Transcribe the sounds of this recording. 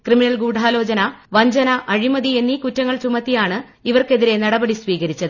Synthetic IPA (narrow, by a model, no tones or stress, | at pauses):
krɨminɐlɡuːɖʱaːlo̞ːd͡ʑɐnɐʋɐɲd͡ʑɐnɐʔɐɻimɐðie̞nːikutːɐŋːɐɭt͡ɕumɐt̪ːijaːɳɨ | iʋɐrke̞ðiɾe̞nɐɽɐbɐɽisʋiːɣɐɾit͡ɕːɐðɨ